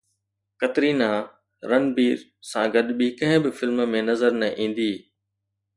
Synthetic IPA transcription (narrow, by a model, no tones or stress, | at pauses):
kɐt̪ɾiːnaː | ɾɐnbiːɾ | sãɡɐɗɓikɐ̃ɦɪ̃bɪfɪlmmẽnɐzəɾnɐʔĩːnd̪iː